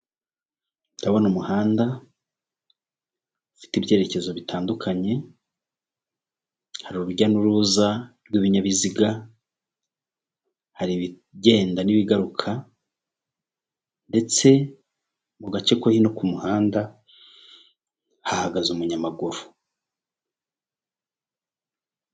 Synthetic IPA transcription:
daβonumuhaːnda | fi̥tibje̞ːɾe̞ce̞zo̞βitʰaːndukʰaɲe̞ | haɾuuβuɟanuɾuzabɡiːβiɲaβiziɡa | haɾiβi | ɟe̞ːndaniβiɡaɾukʰa | nde̞t͡se̞ | muɡat͡ʃe̞kohino̞kumuhaːnda | hahaɡazumuɲamaɡuɾu

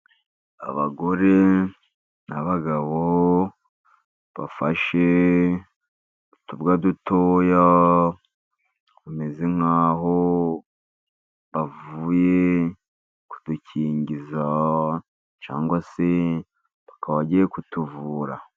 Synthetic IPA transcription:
a̰βa̰ɡo̞ɾe | naβaɡaβo | βa̰faʃe | utubɡadutoːja | kumeziŋ̥haːɦo | βavuːje̞ | ku̥d̥uciːɲɟiza | t͡ʃa̰ːŋɡwase | βakaβaɟijekutuvuːɾa

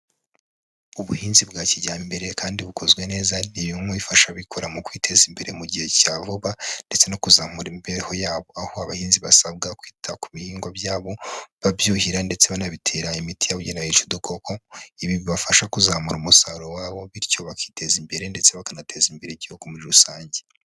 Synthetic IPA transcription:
uβuhiːnzibɡaːciɟaːmbe̞ɾe̞kʰaːndiβukʰo̞zɡwe̞ne̞ːzanijumoβifaʃaβikʰo̞ɾamukwiːtʰe̞zimbe̞ɾe̞muɟihe̞caːvoβande̞t͡se̞no̞kuzaːmuɾimbeehojaːβo̞ahoaβahiːnziβa̰sabɡakwiːtʰakuβihiːŋɡwabjaːβo̞βabjuhiɾande̞t͡se̞βanaβitʰe̞ɾaimitijaβuɟenait͡ʃodukʰokʰo̞iβiβiβafaʃakuzamuɾumusaɾowaːβo̞βiɾco̞βakiːte̞zimbe̞ɾe̞nde̞t͡se̞βakanatʰe̞zimbe̞ɾeɟihokomuɾiɾusaːɲɟe

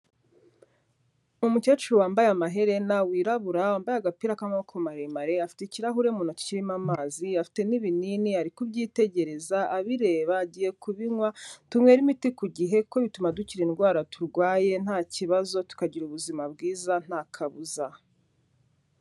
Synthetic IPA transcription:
umucat͡ʃuwaːmbajamaɦe̞ɾe̞nawiːɾaβuɾawaːmbajaɡapiɾakamokʰomaɾemaɾe̞afi̥teciɾaɦuɾe̞muːnaci̥ciɾimamaːziafi̥te̞niβininiaɾikubɟiːte̞ɟe̞ɾe̞zaʔaβiɾe̞ːβaɟije̞kuβiŋwatumŋwe̞ɾimitikuɟiɦe̞koβitumaduciɾinɡwaːɾatuɾɡwaːje̞n̥haːciβazo̞tu̥kaɟiɾuβuzimab̚ɡiːzan̥haːkʰaβuza

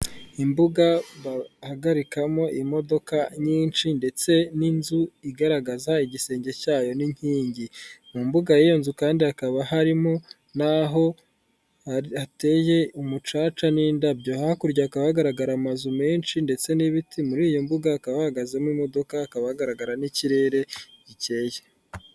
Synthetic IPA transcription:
imbuɡaβahaɡaɾikamo̞ʔimo̞do̞kaɲiːnʃinde̞t͡se̞ninzuiɡaɾaɡazaiɟise̞ːɲɟe̞caːjo̞niɲ̥hiːɲɟimumbuɡajejo̞nzukaːndiakaβahaɾimo | naɦo̞ | ate̞ːje̞umut͡ʃaːt͡ʃanindabɟo̞hahakuɾɟaːkaβahaɡaɾaɡaɾamazume̞ːnʃinde̞t͡se̞niβitʰimuɾiːjo̞mbuɡaːkaβahaɡazemimo̞do̞kaːkaβahaɡaɾaɡaɾaniciɾe̞ːɾe̞ɟice̞ːje

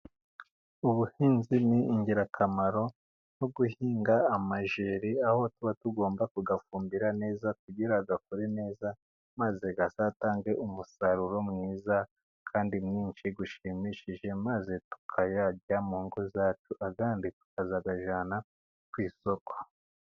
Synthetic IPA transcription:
uβuhiːnziniːɲɟiɾakʰamaɾo̞ | no̞ɡuhiːŋɡaːmaʒeɾiaho̞tuβatuɡo̞ːmbakuɡafuːmbiɾane̞ːzak̚uɟiɾaɡakuɾine̞ːza | maze̞ɡasaːtaːŋɡe̞ʔumusaɾuɾo̞mŋiːza | kʰaːndimŋiːnʃiɡuʃimiʃiʒe̞maze̞tu̥kʰajaɟamuːŋɡozaːt͡ʃuʔaɡaːnditu̥kazaɡaʒana | kwiːso̞kʰo̥

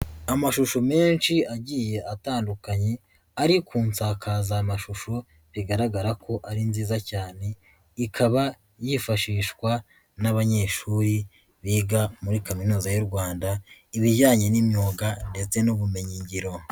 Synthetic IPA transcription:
amaʃuʃome̞ːnʃiaɟiːje̞ataːndukaɲe̞ | aɾikʰuːnsaːkʰazaːmaʃuʃo | βiɡaɾaɡaɾakʰo̞ʔaɾinziːzacaːne̞ | ikʰaβa | jifaʃiːʃkwa | naβaɲe̞ːʃuɾi | βiːɡamuɾikaminuːzajuɾɡwaːndaiβiɟaːɲe̞nimɲoːɡande̞t͡se̞nuβume̞ɲiɲɟiɾo̞

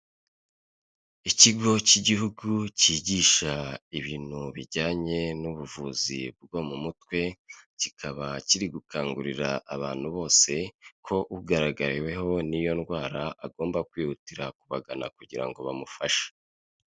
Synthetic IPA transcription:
iciɡo̞ciɟihuɡuciɟiːʃaiβiːn̥huβiɟaːɲe̞nuβuvuːzḭbɡo̞mumutwe̞cikʰaβaciɾiɡukʰaːŋɡuɾiɾa̰ʔaβaːn̥huβo̞ːse̞kʰo̞ʔuɡaɾaɡaɾiwe̞ɦo̞nijo̞nɡwaːɾaʔaɡo̞ːmbakwiːhutiɾakuβaɡana̰kuɟiɾa̰ŋɡo̞βamufaʃḁ

